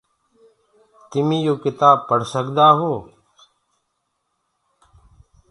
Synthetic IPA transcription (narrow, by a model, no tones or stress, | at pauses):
t̪ɪmĩːjoːkɪt̪aːb̚pəɽ̤səkd̪aːɦoː